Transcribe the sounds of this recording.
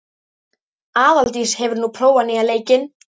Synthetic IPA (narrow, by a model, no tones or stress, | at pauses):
aːðalt̪ishɛvʏɾnupʰɾoːwanɪɣaleːjcɪn